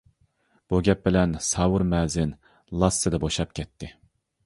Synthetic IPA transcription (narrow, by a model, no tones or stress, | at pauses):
b̥uɡʲɛp̚bɪlɛnsɑːwuɾmɛːzɪn | lˠɑsːɨd̪ɛboʃɑp̚kʲʰɛt̪ʰːɪ